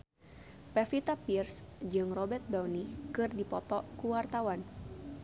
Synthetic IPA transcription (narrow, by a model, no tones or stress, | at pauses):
pɛfit̪apirsd͡ʒɨŋrɔbɛrt̪̚dawnikɨrdipɔt̪ɔkuwart̪awan